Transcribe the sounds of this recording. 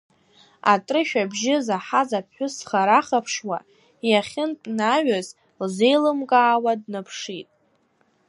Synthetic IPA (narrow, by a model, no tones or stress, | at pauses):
a̰tʼrɨʃᶣabʒɪzaħazapʰħʷᶣʊsχaɾaχapʰʂwa | jaχʲɪnpʼnaɥaz | lze̞jlɨmkʼaːwadnapʰʂitʼ